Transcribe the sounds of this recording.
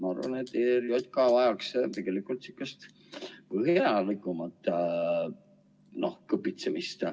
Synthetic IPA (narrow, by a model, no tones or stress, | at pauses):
mɑɑ̰ɾvɑ̰net̪ːeɾiot̪̚kɑvɑjɑkst̪e̞ɡ̥elikult̪sy̥kːˑɛst̪ | pɤɦjɑlikːˑumɑt̪ː | nohkɤpːˑit̪semist̪